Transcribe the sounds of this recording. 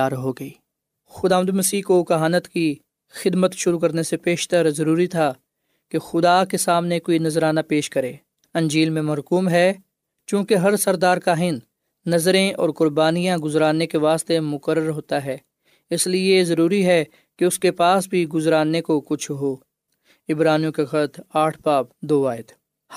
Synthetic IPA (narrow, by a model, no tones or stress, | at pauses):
aːɾɦoːɡɐiː | xʊd̪aːʋənd̪umɐsiːkokɐɦaːnət̪ki | xɪd̪mət̪ʃʊɾuk̬ɐɾnesepeːʃt̪əɾzɐɾuːɾit̪ʰa | kexʊd̪akesaːmnekoinɐzɾaːnapeːʃkɐɾẽː | ɐ̃nd͡ʒiːlmẽmɐɾkuːmɦɛ | t͡ʃjũːkeɦɐɾsɐɾd̪aːɾkaɦɪ̃nː | ɐzɾẽʔɔːɾkʊɾbaːnijãɡʊzɾaːnːekeʋaːst̪emʊkəɾəɾɦoːt̪aɦɛː | ɪsliezɐɾuːɾiɦɛ | keʊskepaːsbʱiɡʊzɾaːnːekokʊt͡ʃʰɦoː | ɪbɾaːnjũkexət̪aːʈʰbaːpd̪oːaːɪd̪